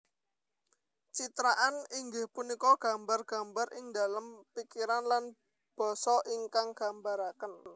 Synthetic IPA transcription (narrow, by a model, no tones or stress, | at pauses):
t͡ʃit̪ɾaʔaniŋɡɪhpunikɔɡ̥a̤mbarɡ̥a̤mbaɾʔɪŋda̤ləmpikiɾanlan | b̥ɔ̤sɔʔiŋkaŋɡ̥ambaɾakən